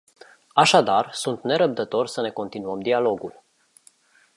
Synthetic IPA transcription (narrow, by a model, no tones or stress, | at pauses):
aʃad̪arsunt̪ne̞ɾəb̚d̪ət̪o̞rʲsəne̞ko̞nt̪inuəmd̪ialo̞ɡul